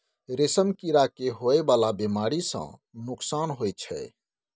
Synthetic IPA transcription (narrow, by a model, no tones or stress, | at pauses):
ɾesəmkiɾakeɦoebalabemaɾisə̰̃nuksanɦojt͡ʃʰɛ̰